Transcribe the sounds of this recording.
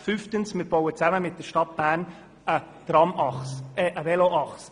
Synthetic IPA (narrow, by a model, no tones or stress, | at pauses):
fyftənsmɪɾb̥owət͡sæməmɪt̚d̥əɾʃtɑt̚b̥æːɾn | ə | d̥rɑmɑχsɛʔəvɛloʔɑχs